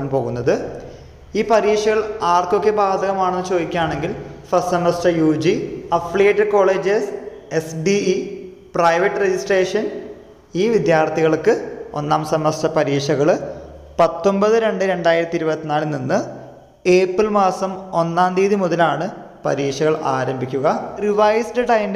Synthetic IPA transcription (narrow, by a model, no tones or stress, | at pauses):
ɳpo̞ːɣunːɐðɨ | iːpɐɾiːʂɐɣɐɭaːrko̞kːe̞baːd̪ʱɐɣɐmaːɳenːɨt͡ɕo̞ːd̪ikʲːaːɳe̞ŋɡilfɐssɐmːɐsʈɐjuːd͡ʑiɐflieːʈːɐɖko̞ːɭe̞ːd͡ʑesesɖii | prɐjʋɐʈːɨred͡ʑisʈreːʂɐn | iːʋid̪jaːrt̪ʰiɣɐɭkːɨo̞̰nːaːmsɐmːɐsʈɐpɐɾiːʂɐɣɐɭpɐt̪ːo̞mbɐðɨɾe̞ɳɖɨɾe̞ɳɖaːjiɾɐt̪ːiɾubɐt̪ːinaːlininːɨ | e̞ːpːilmaːsɐmo̞nːaːnd̪iːðimuðɐlaːɳɨ | pɐ̰ɾiːʂɐɣɐɭa̰ːɾɐmbʱikʲːuɣɐriʋɐjsɖɨʈɐjm